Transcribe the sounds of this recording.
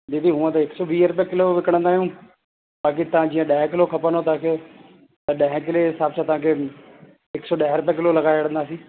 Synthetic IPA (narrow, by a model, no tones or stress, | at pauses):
ɗ̪iːt̪iɦũːə̃t̪ɐɪksɔʋiːəɾʊpjãkɪloʋɪkəɽ̃ə̃nd̪aːijũː | ɓaːk̬it̪ɐʋ̤ãd͡ʑiːə̃ɗaɦɛ̃kɪlokʰɐpənot̪ɐãːkʰeː | t̪ɐɗɐːɦɛ̃kɪlesaːbsãt̪ɐʋãːkʰeː | ɪksɔɗaːɦɪɾʊpjãkɪlolɐɡaːjəɽə̃nd̪aːsĩː